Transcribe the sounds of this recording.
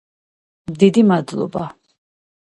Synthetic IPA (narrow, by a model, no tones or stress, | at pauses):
md̪id̪imad̪lˠɔ̰ba